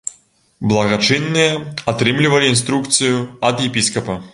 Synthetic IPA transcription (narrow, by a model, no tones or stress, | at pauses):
blˠɐɣat͡ʂɨnːɨjɐat̪ɾɨmlʲivɐlʲiːnst̪ɾukt̪sɨjuɐd̪jɛpʲiskɐpɐ